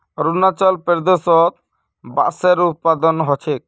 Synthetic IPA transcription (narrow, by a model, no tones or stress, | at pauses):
ɾunat͡ʃɔlpeɾd̪esɔt̪̚ | ba̰ʔseɾut̪̚pad̪ɔnɦɔt͡ʃʰek̚